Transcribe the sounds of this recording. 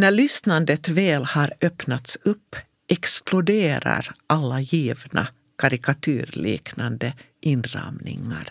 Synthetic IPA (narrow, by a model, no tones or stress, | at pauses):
næɭʏsnand̪ət̪vɛːlhaɾœpnat̪sɵpː | ʔɛksplʊd̪eːɾa̰ɾʔalːajiːvnʔa̰ | kʰaɾɪkat̪ʰʉːɾlḭːknand̪ə | ʔɪnɾɑ̰mnɪ̰ŋːa̰ɾ